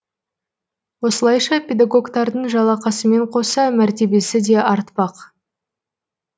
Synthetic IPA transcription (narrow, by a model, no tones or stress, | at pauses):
wo̞səlˠɑjʃɑpʲe̞d̪aɡo̞ɡt̪ɑɾd̪əɴʒɑlˠɑqɑsəme̞ɴqʰo̞sɑmæɾt̪e̞be̞sɪd̪e̞ʔɑɾt̪pɑq